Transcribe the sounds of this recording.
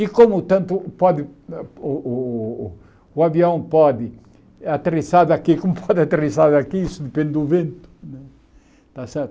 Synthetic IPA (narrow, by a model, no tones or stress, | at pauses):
ikomʊt̪ɐ̃nt̪ʊpɔðɪ | uaβiɐ̃w̃pɔd̪ɪ | at̪ɾisaðakikomʊpʰɔd̪at̪ɾisaðakiisʊd̪epẽnd̪ɪʊvẽnt̪ʊ̥nɛ | t̪asɛɾt̪ʊ